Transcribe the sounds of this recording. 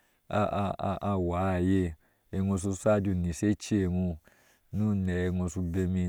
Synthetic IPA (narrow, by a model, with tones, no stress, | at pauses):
a̰˧a˧a˧wa˨˦˨je˧ | ɛ˧ŋũ˧su˧sa˦˧d͡ʒu˧˨nĩ˨se˦t͡ʃi˦e˧˨ŋũ˧ | nũ˦˨nɛ˨ɛ˧ŋõ˧su˧be˧mĩ˧